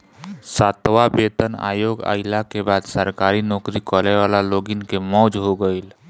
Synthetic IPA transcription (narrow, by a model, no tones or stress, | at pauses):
saːt̪ʋabeːt̪əna̰ːjoːɡa̰ːɪlakebaːd̪səɾkaːɾinɔːkɾikɔːleʋaːlaloːɡɪnkemɔːd͡ʒɦoɡəil